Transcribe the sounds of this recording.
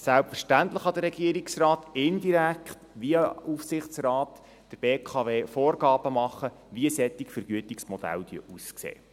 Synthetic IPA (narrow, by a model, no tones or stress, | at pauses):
sælpfəɾʃtænt̪ləχɑd̥̪ərːɛɡ̥iəɾiksrɑːtɪndiɾækχtʋiufsɪχt͡srɑːt | d̥əɾb̥eːkʰɑveːfoːrɡɑːb̥əmɑχə | ʋiəsɛt̪ːɪkfəɾɡ̥yətɪksmɔd̥̪æ̰ld̥̪yəʔusksḛː